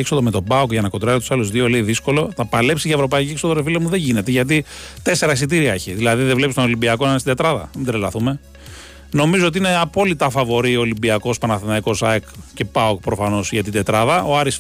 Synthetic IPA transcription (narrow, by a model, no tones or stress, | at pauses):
ekso̞ðome̞t̪o̞bɐokʝɐnɐko̞t̪ɾɐsit̪u̥sɐluzðioleiðisko̞lo̞t̪ɐpɐle̞psiʝɐevɾo̞pɐicieksoðoɾefilɐmuðeɲʝine̞t̪eʝɐt̪̬it̪e̞se̞ɾɐsit̪̬iɾiɐeçiðilɐðiðevle̞pist̪onolimbiɐkonɐnest̪id̪e̞t̪ɾɐðɐ̰mind̪ɾelɐθume̞ | no̞mizoot̪iine̞ɐpo̞lit̪ɐfɐvo̞ɾio̞limbiɐko̞spɐnɐθinɐiko̞sɐekce̞pɐokpɾo̞fɐno̞sʝɐt̪id̪e̞t̪ɾɐðɐo̞ɐɾis